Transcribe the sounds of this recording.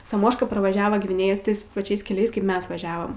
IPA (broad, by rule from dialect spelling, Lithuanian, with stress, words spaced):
sɐˈmoːʃkɐ prɐʋɐˈʒʲæːʋɐ ɡʋʲɪˈnʲeːjeːs ˈtɐɪs pɐˈt͡ʃʲɛɪs kʲɛˈlʲɛɪs kɐɪp ˈmʲɛs ʋɐˈʒʲæːʋɐm